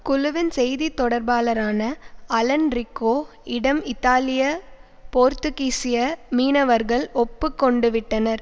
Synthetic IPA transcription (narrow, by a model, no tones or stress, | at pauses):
kʊlʊʋɪnsɛjðit̪ːɔɽɐɾbaːlɐɾaːnɐɐlɐnɾɪkːoː | ɪɽɐmɪt̪ːaːlɪjɐ | poːɾt̪ɯkiːsɪjɐmiːnɐʋɐɾɣɐɭɔpːɯkːɔɳɖɯʋɪʈːɐnɐɾ